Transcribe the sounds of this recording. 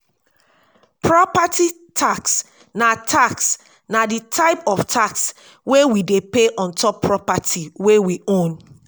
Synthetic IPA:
pʰɹɔpati | tʰaks | natʰaks | naditʰaɪpɔftʰaks | wewidepeʔɔ̃ntʰɔpʰːɹɔpatʰiwewiõn

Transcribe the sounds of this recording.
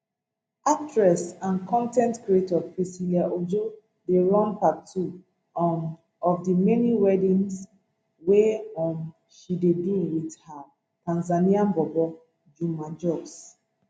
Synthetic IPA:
ak̚tɹɛsãnkʰɔ̃ntɛ̃ntkɹietɔpɹisiliaʔod͡ʒo | deɹɔ̃npatʰu | ɔfdimɛniwɛdĩns | weɔ̃n | ʃideduwidha | tãnzaniãnbɔbɔ | d͡ʒumãd͡ʒɔbs

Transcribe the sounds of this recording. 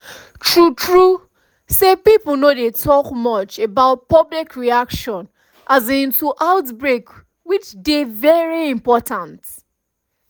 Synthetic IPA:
tʰɹutʰɹu | sepipl̩nodetʰɔkmɔt͡ʃebaʊt̚pɔblikɹiakʃɔ̃n | ʔazĩntʰuʔaʊtbɹek | wit͡ʃdevɛɹiĩmpɔtãnt

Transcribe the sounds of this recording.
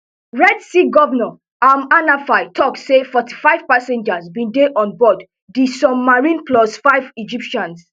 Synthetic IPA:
ɹɛdsiɡɔvnɔ | amanafajtʰɔksefɔti̥faɪv̥pasɛ̃nd͡ʒasbĩndeʔɔ̃nbɔd | disɔbmaɹĩnplɔsfaɪvid͡ʒipʃãns

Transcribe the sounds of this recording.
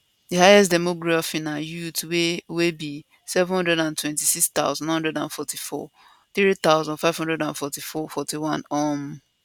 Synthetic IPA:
dihajɛstdɛmoɡɹafĩnãjutwewebi | sɛvɔ̃nhɔ̃ndɹɛdãntʰwɛ̃ntisikst̪a̰ʊzɔ̃nw̃nhɔ̃ndɹɛdãnfɔtʰifɔ̰ | θɹit̪aʊzɔ̃nfaɪv̥hɔ̃ndɹɛdãnfɔtifɔfɔtiwãnɔm

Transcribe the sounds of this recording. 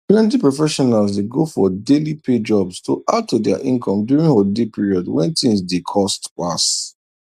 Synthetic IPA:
plɛ̃nt̬ipɹɔfɛʃɔnalzdeɡofɔdelipʰed͡ʒɔbstoʔad̚tʰudɛa̰ʔĩnkʰɔ̃mdjuɹĩnholdepiɹiɔdwɛ̰̃ntĩzdekʰɔstpa̰s

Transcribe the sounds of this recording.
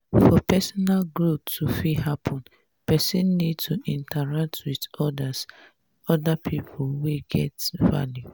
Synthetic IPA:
fɔpɛsɔnalɡɹotːufihapʰɔ̃n | pɛsĩnːidtʰuʔĩntaɹak̚tʰwidɔdas | ɔdapʰipʰʊlweɡɛ̰tva̰lju

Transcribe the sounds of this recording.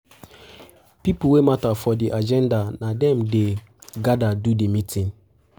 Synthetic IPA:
piplwematafɔdiʔad͡ʒɛ̃ndanadɛ̃mde | ɡadadudimitʰĩn

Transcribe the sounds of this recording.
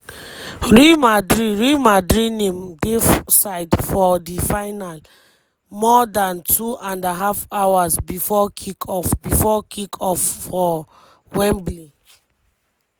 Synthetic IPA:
ɹimadɹiɹimadɹinẽmdesaɪdfɔdifaɪnal | mɔdãntʰuʔãndaɦafawasbifɔkʰikʰɔfbifɔkʰikʰɔfːɔ | wɛ̃mbli

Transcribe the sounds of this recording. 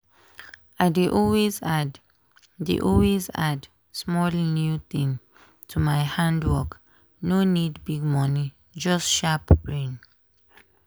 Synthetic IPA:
aɪdeʔɔlwezad | dḛʔɔlweza̰d | smɔlnjuθĩŋ | tʰumaɪhãndwɔk | nonidbiɡ̚mɔni | d͡ʒʌstʃapbɹẽn

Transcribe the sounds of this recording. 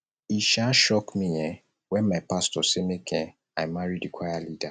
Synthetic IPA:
iʃaʃɔkmĩɛ | wɛ̃nmaɪpastɔsemekʰɛ̃ | ajmaɹidikʰajalida

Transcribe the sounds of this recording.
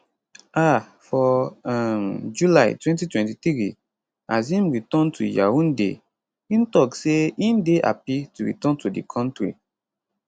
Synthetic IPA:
a | fɔamd͡ʒulaɪtwɛ̃ntitwɛ̃ntitɹi | azĩnɹitɔ̃ntʰṵja̰wũndḛ | ĩntɔkseĩndeʔa̰pituɹḭtɔ̃ntudḭkʰɔ̃ntɹḭ

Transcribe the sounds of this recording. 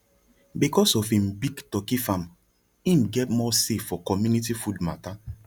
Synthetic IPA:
bikɔsɔfĩmbiɡtɔkifãm | ĩmɡɛtmɔseffɔkɔmjunitifudma̰ta

